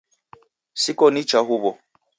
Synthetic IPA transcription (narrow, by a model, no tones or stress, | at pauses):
sikɔnit͡ʃaɦuβɔ